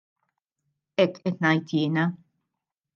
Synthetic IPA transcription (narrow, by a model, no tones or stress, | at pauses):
ɛkːɛt̪nɐjt̪ʰjɪːnɐ